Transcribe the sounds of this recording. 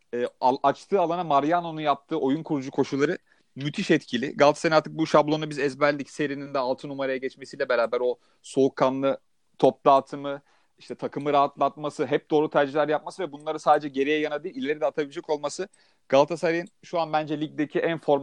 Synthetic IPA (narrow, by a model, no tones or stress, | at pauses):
ɛːaʔat͡ʃt̪ʰɯːalˠanamaɾjano̞nujap̚t̪ʰɯːʔo̞junkʰuɾud͡ʒukʰo̞ʃulˠaɾɯ | myt̪ʰiʃɛt̪cʰilʲɪ̰ɡalˠt̪ʰḁsajnaɾt̪ʰɯk̚buʃablˠo̞nubizɛzbæɾlʲːicse̞ɾinind̪ɛalˠt̪ʰɯnumaɾajaɟɛt͡ʃme̞siːlʲɛbe̞ɾaːbæɾo̞ | so̞ukʰːanlˠɯ | t̪ʰo̞p̚lˠaːt̪ʰɯmɯ | iʃt̪ʰɛt̪ʰakʰɯmɯɾaɦat̪lˠat̪̚masɯɦɛp̚d̪o̞ːɾut̪ʰæɾd͡ʒiçlʲæɾjap̚masɯvɛbunlˠaɾɯsaːd̪ed͡ʒɛɟe̞ɾejɛjanad̪ɯːilʲe̞ɾid̪ɛat̪ʰabilʲid͡ʒɛko̞lˠmasɯ | ɡ̥alˠt̪ʰasaɾajinʃuanbænd͡ʒɛlʲic̚d̪ecʰiʔænfo̞ɾm